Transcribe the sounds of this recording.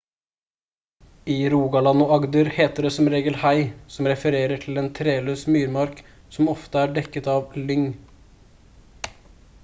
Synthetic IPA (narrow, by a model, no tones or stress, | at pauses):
iːɾuːɡɑlɑnʊɑɡd̪əɾheːt̪əɖɛsɔmɾeːɡəlhæɪsɔmɾɛfəɾeːɾəʈʰl̩eːnt̪ʰɾeːløːsmyːɾmɑɾk | sɔmɔft̪əæːɖɛkːət̪ɑːʋlʏŋ